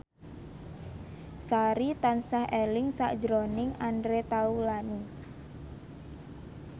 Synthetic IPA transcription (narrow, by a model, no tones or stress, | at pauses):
saɾit̪ansahʔelɪŋsa̰ʔd̥d͡ʒɾonɪŋandɾet̪aulani